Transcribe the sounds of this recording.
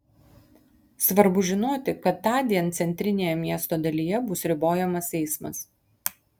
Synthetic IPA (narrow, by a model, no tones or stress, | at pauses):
sʋɐɾbʊʒʲɪnoːt̪ʲɪkɐt̪ːɑːd̪ʲiɛnt̪sʲɛnʲt̪ʲɾʲɪnʲeːjɛmʲiɛst̪oːd̪ɐlʲiːjɛbʊsɾʲɪboːjɛmɐsɛɪsmɐ̰s